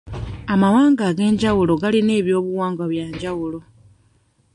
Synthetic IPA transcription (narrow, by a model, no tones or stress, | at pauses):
amawaːŋɡaːɡe̞ːɲɟawulo̞ɡaline̞ːβjo̞ːβuwaːŋɡaβjaːɲɟawulo̞